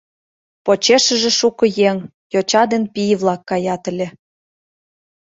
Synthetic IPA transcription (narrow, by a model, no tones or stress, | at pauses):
pot͡ɕeʃə̆ʒĕʃukɤ̆jeŋ | jot͡ɕɑd̪enpijβlɑkːɑjɑt̪ə̆lʲĕ